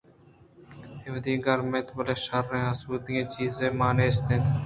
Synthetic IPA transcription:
eʋd̪ĩːɡəɾmẽːt̪bəleːʃəɾːẽːɦəsuːt̪ijẽːt͡ʃiːzẽːmaːneːst̪ẽːt̪ʰ

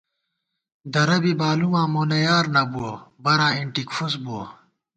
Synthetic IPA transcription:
d̪ɐɾɐbibaːlumãːmoːnɐjaːɾnɐbuobɐɾãːiɳʈikfusboː

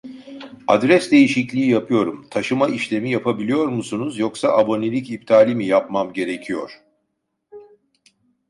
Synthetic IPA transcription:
ad̪ɾɛsd̪e̞jiʃiclʲiːjapʰɯjo̞ɾumt̪ʰaʃɯmaʔiʃlʲe̞mijapʰabilʲijo̞ɾmusunuzjo̞ksaʔabo̞nelʲicip̚t̪ʰaːlʲimijapmamɟe̞ɾe̞cʰijo̞ɾ̥

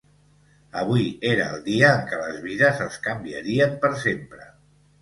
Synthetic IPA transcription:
əβ̞uieɾəəlˠd̪iəːŋkələzβizəzəskəmbiəɾiəmpəɾsempɾə

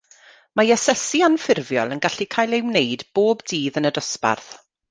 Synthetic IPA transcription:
majasɛsianfɪrvjɔlˠənɡaɬikʰaːjlˠewnejdb̥oːbdiːðənədɔspa̰rθ

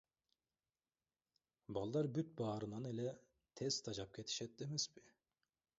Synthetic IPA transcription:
bɑlˠːɑɾbyt̪̚bɑːɾɯnɑnelɛ | t̪ʰɛst̪ʰɑd͡ʒɑp̚kʲʰet̪ʰi̥ʃɛt̪ːimiz̥bi

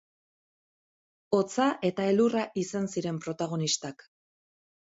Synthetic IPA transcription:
o̞t͡saʔe̞t̪ae̞luraʔisansiɾe̞mpɾo̞t̪aɣ̞o̞nist̪ak

